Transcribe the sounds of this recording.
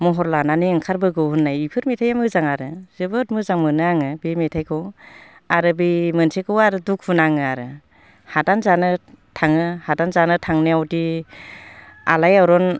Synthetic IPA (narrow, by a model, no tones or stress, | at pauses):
mɔɦɔɾlananiɯŋkʰaɾbɯɡɯwhɯnːajipʰɯɾmetʰajamɯzaŋaɾɯzɯbɯt̚mɯzaŋmɯnɯaŋɯbimetʰajkʰɯw | aɾɯbimɯnsʰekʰɯwaɾɯduk̚ʰunaŋɯaɾɯ | hatanzanɯ | tʰaŋɯhadanzanɯtʰaŋneawdi | a̰lajawɾɔn